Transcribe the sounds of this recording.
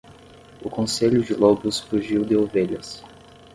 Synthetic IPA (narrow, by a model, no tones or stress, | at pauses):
ʊkõseʎʊd͡ʒɪlɔbʊsfuʒiwd̪ɪoveʎɐs